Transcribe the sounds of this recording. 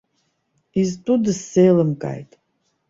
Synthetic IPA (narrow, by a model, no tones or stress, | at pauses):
iztʼudɨsːejlɨmkʼa̰jtʼ